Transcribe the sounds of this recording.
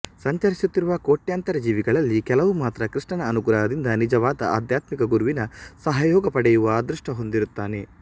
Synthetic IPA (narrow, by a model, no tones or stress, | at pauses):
sɐɲt͡ʃɐɾisut̪ːiɾuʋɐkoːʈjaːnt̪ɐɾɐd͡ʒiːʋiɡɐɭɐlːikɛlɐʋumaːt̪ɾɐkɾiʂɳɐnɐːnukuɾɐːɐd̪ind̪ɐnid͡ʒɐʋaːd̪ɐ̰a̰ːd̪jaːt̪mikɐɡuɾuʋinɐsɐɦɐjɔːɡɐpɐɽɛjuʋɐːd̪ɾuʂʈɐɦo̞nd̪iɾut̪ːaːne̞